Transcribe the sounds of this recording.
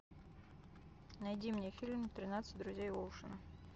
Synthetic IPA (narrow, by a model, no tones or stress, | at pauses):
nɐjdʲimnʲefʲilʲmt̪ɾʲɪnat̪sɨ̥t̚ʲd̪ɾʊzʲejvolˠʂɨnɨ